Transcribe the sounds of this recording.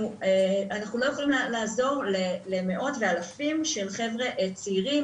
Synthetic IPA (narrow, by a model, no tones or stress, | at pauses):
ueanaχnulo̞jeχo̞limlaːzo̞ʁleleme̞ʔo̞tve̞alafimʃe̞lχe̞vʁe̞ʔet͡siʁi